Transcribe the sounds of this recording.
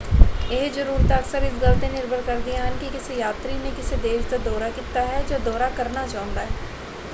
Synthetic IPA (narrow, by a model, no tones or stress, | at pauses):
ɪɦzəɾuːɾət̪əksəɾɪs̬ɡəlt̪ẽnɪɾbʱəɾkəɾd̪ijãɦənkikɪsjaːt̪ɾinẽkɪsed̪eːʃd̪ad̪ɔːɾakit̪ːaɦɛd͡ʒaːd̪ɔːɾakəɾnat͡ʃaːʊ̃nd̪aːɦɛː